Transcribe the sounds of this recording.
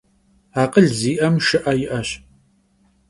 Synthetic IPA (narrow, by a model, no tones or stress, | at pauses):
aːqəɮziːʔɐmʃɪʔɐjɪʔɐɕ